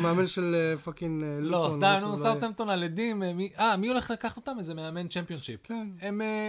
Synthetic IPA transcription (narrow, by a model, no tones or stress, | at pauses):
meamenʃelefakinlost̪amusat̪amt̪onaled̪immiʔamio̞le̞χlakaχt̪ot̪amezemeame̞nt͡ʃempio̞nʃipkeeme